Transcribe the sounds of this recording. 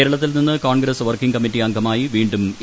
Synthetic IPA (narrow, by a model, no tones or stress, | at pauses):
eːɾɐɭɐt̪ːilninːɨkoːɳɡɾɐsʋɐrkiŋkɐmitːiɐŋɡʱɐmaːjiʋiːɳɖum